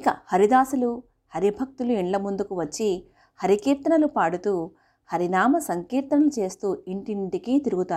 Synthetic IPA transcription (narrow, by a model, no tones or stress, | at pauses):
ikɐhɐɾid̪aːsulu | hɐɾibʱɐk̚t̪uluiɳlɐmund̪ukuʋɐt͡ʃːi | hɐɾikiːɾt̪ɐɳɐlupaːɽut̪uː | hɐɾinaːmɐsɐŋkiːɾt̪nɐɐlut͡ʃe̞ːst̪uːiɳʈiʈikit̪iɾuɡut̪aːɾu